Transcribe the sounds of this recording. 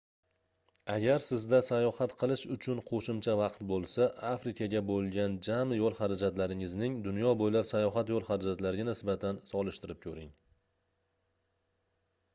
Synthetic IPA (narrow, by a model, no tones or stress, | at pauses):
aɡʲaɾsɪzd̪asajɒhat̪qʰɨlˠɪʃʊt͡ʃʰʊnqʰoʃɪmt͡ʃʰavɑqt̪bolˠsaʔafɾɪkʲʰaɡʲabolˠɡʲand͡ʒamjɒlˠχaɾad͡ʒat̪laɾɪŋɪznɪŋd̪ʊnjɒbojlapsajɒɦat̪jɒlˠχaɾad͡ʒat̪laɾɪɡʲanɪsbat̪ʰansɒlˠɪʃt̪ɪɾɪp̚kʲʰɵɾɪŋ